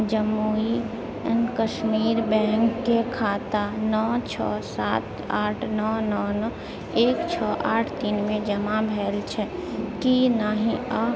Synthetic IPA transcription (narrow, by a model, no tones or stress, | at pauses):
d͡ʒəmːui | ənkəʃmiːɾbɛ̃ːŋkːekʰaːt̪anɔːt͡ʃʰɔ̰ːsaːt̪ | aːʈʰnɔːnɔnɔ | eːkt͡ʃʰɔʔaːʈʰt̪iːnmẽd͡ʒəmabʱɛːlt͡ʃʰɛkinaɦĩə